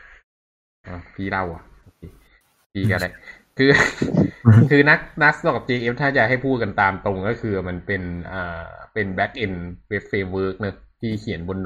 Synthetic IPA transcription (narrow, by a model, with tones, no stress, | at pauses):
ʔaː˧˩t̪ʰiː˥˩ɾa˥˩wʔa̰˨˩ʔʔoː˧kʰeː˧ | tiː˧ka˧la˦˥ʔ | kʰɯː˧ | kʰɯː˧na˦˥k̚na˦˥k̚dɔ˨˩t͡ɕeː˧ʔeː˦˥p̚t̪ʰaː˥˩t͡ɕa˨˩ɦa˥˩jpʰuː˥˩ka˧nt̪aː˧mt̪o˧ŋkɔː˥˩kʰɯː˧˩ma˧npe˧nʔaː˨˩pe˧nbɛ˦˥k̚ʔe˧nwe˦˥p̚feː˧mwɤː˦˥k̚nɯ˦˥ | t̪ʰiː˥˩kʰi˨˩˦nbo˧n˧